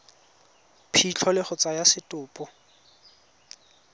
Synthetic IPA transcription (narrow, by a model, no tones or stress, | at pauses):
pʰit͡ɬʰɔlɪχʊt͡sajasɪtʼʊːpʼɔ